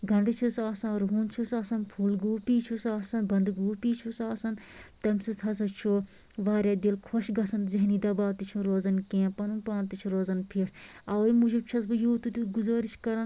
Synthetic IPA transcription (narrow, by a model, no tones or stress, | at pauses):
ɡɐɳɖɨt͡ʃʰusaːsɐ̃nɾɦuːnt͡ʃʰusaːsɐnpʰuːlɡuːpiːt͡ʃʰusaːsɐnbɐnd̪ɡuːpiːt͡ʃʰusaːsɐnt̪ɐmʲsɨt̪ʰɐsɐt͡ʃʰoː | ʋaːɾʲaːd̪ilkʰoʃɡɐsɐnzɐɦniːd̪ɐbaːt̪it͡ʃʰũɾoːzɐnkẽːpɐnũːpãːnt̪it͡ʃʰuɾoːzɐnpʰeːʈʰɐwimud͡ʒib̚t͡ʃʰɐsbɨjoːt̪ut̪uɡuzaːɾiʃkɐɾãː